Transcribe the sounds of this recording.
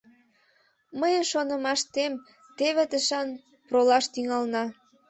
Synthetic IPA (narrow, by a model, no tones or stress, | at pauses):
məjənʃonə̆mɑʃt̪em | t̪eβet̪əʃɑn | prolɑʃt̪yŋɑlnɑ